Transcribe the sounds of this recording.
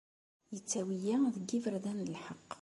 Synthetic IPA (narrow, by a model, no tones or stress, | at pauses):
jət͡sːæwijæðəɡːivəɾðænəlħəqː